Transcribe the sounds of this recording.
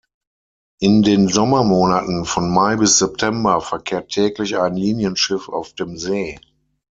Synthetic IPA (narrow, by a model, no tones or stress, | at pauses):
ʔɪndeːnzɔmɐmoːnatn̩fɔnmaɪbɪsz̥ɛp̚tʰɛmbɐfɛɐkʰeːɐtʰːɛːklɪçaɪnliːnjənʃɪfa̰ʊfd̥eːmzeː